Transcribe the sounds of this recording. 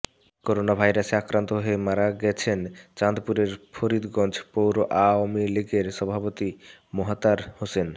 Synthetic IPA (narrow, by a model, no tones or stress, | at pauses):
koɾonabʱajɾaseakɾant̪oɦoemaɾaɡɛt͡ɕʰent͡ɕand̪puɾeɾpʰoɾid̪ɡɔnd͡ʑʰpowɾoʔamiliɡeɾʃɔbʱapot̪imoɦat̪aɾhosen